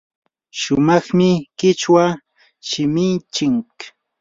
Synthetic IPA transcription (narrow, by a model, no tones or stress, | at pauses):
ʃʊmɑχmɪkɪt͡ʃwa | ʃɪmɪnt͡ʃɪŋk